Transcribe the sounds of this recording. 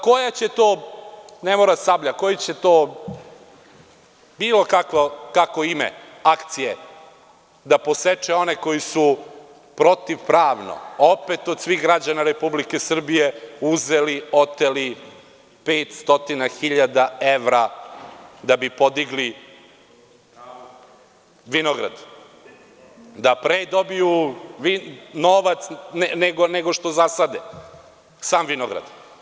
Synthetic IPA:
ko̞jat͡ɕet̪oːnemoɾasabʎako̞jit͡ɕet̪oː | biːlo̞kakʋokakoimḛ | akt̪sije | d̪apo̞set͡ʂeo̞neko̞jisu | pɾo̞t̪iʋpɾaːʋno̰opet̪od̪sʋiɣɡɾad͡ʑanaɾe̞publike̞sr̩bije̞uzeliot̪eli | peːt̪st̪o̞t̪inaxiʎad̪aeʋɾa | d̪abipo̞d̪iɡli | ʋinoɡɾa̰d̪ | d̪apɾed̪o̞bijuʋinoʋat̪snneɡoneɡoʃt̪o̞zasad̪e | saːmʋinoɡɾa̰d̪̥

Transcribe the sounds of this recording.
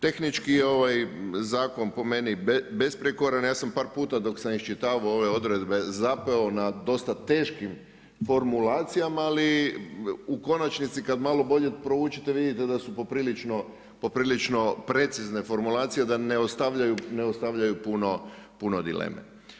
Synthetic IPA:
t̪e̞xnit͡ʃkieo̞ʋajzaːko̞npo̞me̞nibebe̞spɾekoɾanjaːsampaːɾpuːt̪ad̪o̞ksamiʃt͡ʃit̪aːʋoo̞ʋe̞o̞d̪ɾe̞d̪be̞zape̞o̞nad̪o̞st̪at̪e̞ːʃkim | fo̞ɾmulaːt̪sijamaːli | uko̞nat͡ʃnit̪sikad̪maːlo̞bo̞ʎepɾouːt͡ʃet̪e̞ʋid̪it̪ed̪asupo̞pɾiːlit͡ʃno̞ | po̞pɾilit͡ʃno̞pɾe̞t̪sizne̞fo̞ɾmulaːt̪sijed̪aneost̪aʋʎajuneost̪aʋʎajupuno̞punod̪ḭlḛːmḛ

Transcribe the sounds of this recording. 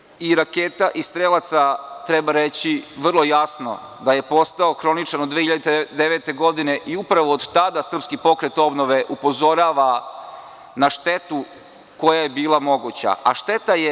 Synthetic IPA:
iɾakeːt̪aʔist̪ɾelˠat̪sat̪ɾe̞baɾe̞t͡ɕiʋr̩lˠo̞jasno̞̰d̪aje̞po̞st̪aoxɾo̞nit͡ʃanod̪ʋehiʎad̪et̪d̪eʋet̪e̞ɡo̞d̪ine̞ʔiupɾaʋoːd̪t̪ad̪asr̩pskipo̞kɾet̪o̞bno̞ʋe̞ʔupo̞zo̞ɾaːʋa | naʃt̪e̞t̪u | ko̞jaje̞biːlˠamo̞ɡut͡ɕa̰a̰ʃt̪e̞t̪aje

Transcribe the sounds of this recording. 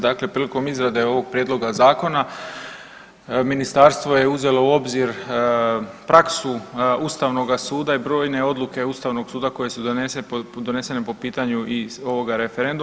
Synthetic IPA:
d̪akle̞pɾiːliko̞mizɾad̪e̞o̞ʋo̞ɡ̚pɾjed̪lˠo̞ɡazaːko̞na | minist̪aɾst̪ʋo̞jeuze̞lo̞uo̞bziɾ | pɾaksuust̪aʋno̞ɡasuːd̪aibɾo̞ːjne̞o̞d̪luke̞ust̪aʋno̞ɡsuːd̪ako̞je̞sud̪onesed̪o̞ne̞se̞nepo̞piːt̪aɲuʔio̞ʋo̞ɡaɾe̞feɾe̞nd̪u

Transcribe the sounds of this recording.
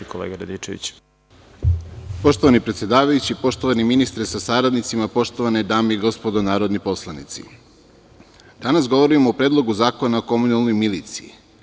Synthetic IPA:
kolḛɡaɾad̪it͡ʃḛʋḭt͡ɕ | po̞ʃt̪oʋanipɾet̪sje̞d̪aːʋajut͡ɕipo̞ʃt̪o̞ʋaniminist̪ɾesasaɾad̪nit̪simapo̞ʃt̪o̞ʋaned̪aːmeiɡo̞spo̞d̪onaːɾo̞d̪nipo̞slˠanḭt̪sḭ | d̪̥anasɡo̞ʋo̞ɾimoːpɾeːd̪lˠo̞ɡuzaːko̞naoko̞munalˠno̞jmilit̪siḭ

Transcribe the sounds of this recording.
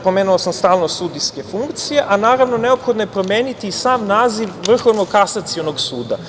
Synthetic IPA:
pomeːnuosamst̪aːlˠno̞sud̪ijske̞fuŋkt̪sije̞ʔanaːɾaʋno̞ne̞opxo̞d̪noje̞pɾo̞mjeːnit̪isaːmnaːziʋʋr̩xonokasat̪sionoɡsuːd̪a̰

